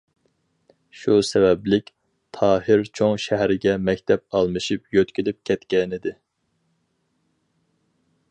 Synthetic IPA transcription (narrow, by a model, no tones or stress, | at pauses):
ʃusɛvɛblɪkʲ | t̪ʰɑːɦɪɾt͡ʃʰoŋʃɛɦɾɪɡʲɛmɛkʲt̪ʰɛp̚ɑlˠmɨʃɨpjøt̪kʲilyp̚kʲʰɛt̪kʲɛnɪd̪ɪ